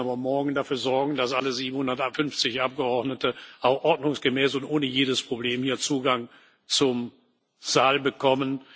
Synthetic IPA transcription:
aːbɐmɔɐɡŋ̩dafyːɐzɔɐɡŋ̩dasʔaləziːbm̩hʊndɐtfʏnft͡sɪçʔap̚ɡ̥əɔɐdnətəʔaʊxʔɔɐdnʊŋsɡ̥əmɛːsʊntʔoːnəjeːdəspʁ̥obleːmhiːɐt͡suːɡaŋ | t͡sʊm | z̥aːlbəkʰɔmən

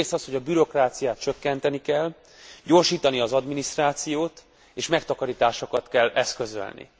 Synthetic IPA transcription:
eːsɒsho̞ɟɒbyɾo̞kraːt̪sijaːt̪̚t͡ʃø̞kːɛnt̪ɛnikɛlː | ɟo̞rʃiːt̪ɒniɒzɒd̪minist̪raːt̪sijoːt̪ | eːʃmɛkt̪ɒkɒɾit̪aːʃokɒt̪kɛlːɛskø̞zø̰lnḭ

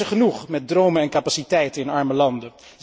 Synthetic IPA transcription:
əχənuχmɛt̚drowmənɛnkapasitɛjtənɪnɑɹməlɑndə

